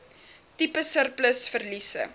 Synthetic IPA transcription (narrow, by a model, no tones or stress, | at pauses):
tipəsərpləsfərlisə̰